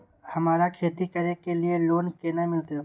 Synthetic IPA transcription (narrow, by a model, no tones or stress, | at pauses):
hɐmaːɾakʰeːt̪ikɐɾekelieloːnkeːnamɪlt̪e